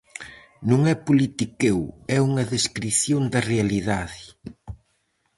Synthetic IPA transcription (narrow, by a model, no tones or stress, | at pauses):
nũŋɛpulit̪ikewɛuŋɐðeskɾiθjond̪ɐrealiðaðɪ